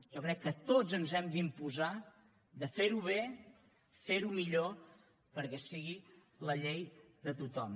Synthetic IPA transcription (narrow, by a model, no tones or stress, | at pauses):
ʒɔkɾɛkːət̪ozənzɛmd̪impuza | ðəfeɾuβ̞e | feɾumiʎo | pəɾkɛsiɣ̞i | ləʎejðət̪ut̪ɔm